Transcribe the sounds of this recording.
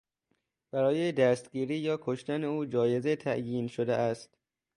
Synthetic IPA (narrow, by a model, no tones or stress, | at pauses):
b̥æɾɒːjed̪æst̪ɡiːɾiːjɒːkʰoʃt̪æneuːd͡ʒɒːje̞zet̪ʰæʔjiːnʃod̪eʔæst̪